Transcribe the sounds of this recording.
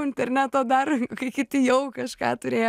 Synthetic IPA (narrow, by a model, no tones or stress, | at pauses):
ɪnʲt̪ʲɛrʲnʲæːt̪oːd̪ɑːɾkɐɪkʲɪt̪ʲɪjɛʊkɐʃkɑ̰ːt̪ʊɾʲeːj